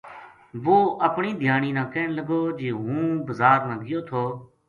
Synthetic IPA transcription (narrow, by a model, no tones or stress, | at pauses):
ʋoːʔəpɳiːd̪ʱjaːniːnãːkɛːnləɡoːd͡ʒeːɦũːbəzaːɾnãːɡɪjoːt̪ʰoː